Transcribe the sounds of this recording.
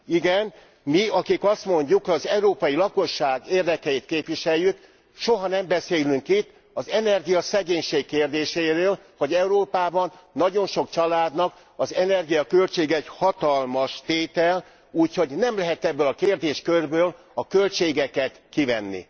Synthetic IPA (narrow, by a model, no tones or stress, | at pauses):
iɡɛn | miɒkikɒst̪mo̞ɲɟukɒzɛuɾoːpɒjilɒko̞ʃːaːɡeːrd̪ɛkɛit̪̚keːpʋiʃɛjːyk | ʃo̞ɦɒnɛmbɛseːlyŋkit̪ː | ɒzɛnɛrɡijɒsɛɡeːɲʃeːkkːeːrd̪eːʃeːɾøːlhɒɟɛuɾoːpaːbɒnːɒɟo̞nʃo̞kt͡ʃɒlaːd̪nɒk | ɒzɛnɛrɡijɒkølt͡ʃeːɡɛɛchɒt̪ɒlmɒʃt̪eːt̪ɛl | uːcho̞ɟnɛmlɛɦɛt̪ɛbːøːlɒkeːrd̪eːʃkørbøːl | ɒkø̞lt͡ʃeːɡɛkɛt̪kivɛnːḭ